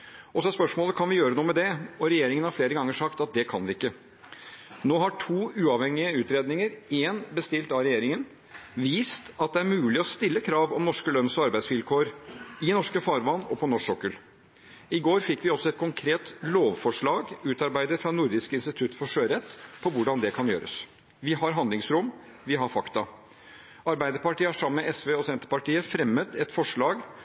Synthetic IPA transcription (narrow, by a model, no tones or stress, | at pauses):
ɔsɔɛspœʂmoːləkʰɑnʋɪjøːɾənuːmɛd̪ɛɔɾɛjeːɾɪŋənhɑɾfleːɾəɡɑŋːəʂɑkt̪ɑt̪̚d̪ɛkʰɑnʋɪɪkːə | noːɦɑʈʰuːʉːɑʋhɛŋːɪəʉːt̪ɾeːd̪nɪŋəɾeːnbəst̪ɪlt̪ɑɾɛjeːɾɪŋən | ʋiːst̪ɑt̪̚d̪ɛæɾmʉːlɪɔst̪ɪlːəkʰɾɑːʋɔmnɔʂkəlœnːsɔɑɾbæɪsʋɪlkʰoːɾɪnɔʂkəfɑːɾʋɑnɔpʰɔnɔʂɔkːəl | ɪɡoːɾfɪkːʋɪɔsɔɛt̪̚kʰʊŋkʰɾeːt̪loːʋfɔʂɭɑːɡʉːt̪ɑɾbæɪd̪əfɾɑnʊɾd̪ɪskəɪnst̪ɪt̪ʰʉt̪ːfɔʂøːɾɛt̪ːpʰɔʋʊɖɑnd̪ɛkʰɑnjø̰ːɾə̰s | ʋɪɦɑɾɦɑnd̪lɪŋsɾʊm | ʋɪɦɑɾfɑkt̪ɑ | ɑɾbæɪd̪əɾpɑʈiːəɑʂɑməmɛɛsʋeːɔsɛnt̪ə̥pɑʈiːəfɾɛmːət̪ɛt̪fɔʂɭɑːɡ